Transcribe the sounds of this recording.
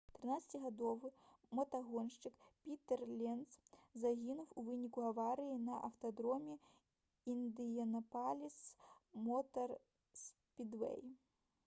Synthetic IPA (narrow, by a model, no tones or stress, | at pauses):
t̪ɾɨnat̪sɐ̥t͡sʲiɣad̪ɔvɨmɐt̪aɣɔnʂt͡ʂɨkpʲit̪ɛrlʲɛnszaɣʲinuwuvɨnʲikuavaɾɨjinɐʔɐwt̪ɐd̪ɾɔmʲɛ | ind̪ɨjɐnɐpalʲismɔt̪ɐr | spʲid̪vɛ̰j